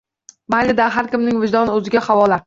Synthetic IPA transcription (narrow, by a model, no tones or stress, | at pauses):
majlɪd̪aɦaɾkʲɪmnɪŋvɪd͡ʒd̪ɒnɵzɪɡʲahavɒla